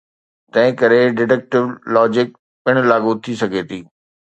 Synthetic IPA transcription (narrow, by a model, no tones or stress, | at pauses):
t̪ɐ̃ɦɪ̃kɐɾeɖɪʈɛk̚ʈɪʋlɔːd͡ʑɪk̚ | pɪɽ̃laːɡut̪ʰisɐɡʱeːt̪ʰiː